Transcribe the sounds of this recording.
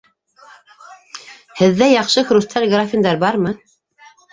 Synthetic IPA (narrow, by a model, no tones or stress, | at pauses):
hɘ̆ðːæjɑqʃɤxɾust̪ʰɑlʲɡrafʲind̪ɑɾbɑɾmɤ